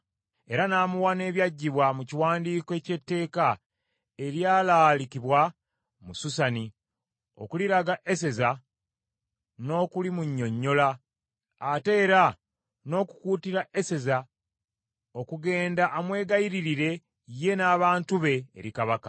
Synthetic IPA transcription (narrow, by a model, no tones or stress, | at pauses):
e̞ɾanaːmuwane̞ːβjaɟːiβwamuciwaːndiːkoe̞ce̞tːe̞ːka | e̞ɾjaːlaːlikiβwa | mususani | o̞̰kuliɾaɡaʔese̞za | no̞ːkulimuɲːo̞ɲːo̞laː | te̞ːɾa | no̞ːku̥kuːtiɾaʔe̞se̞za | o̞kuɡe̞ːndaʔːmwe̞ːɡajiɾiɾiɾe̞ | je̞naːβaːntuβe̞̰ːɾikaβaka̰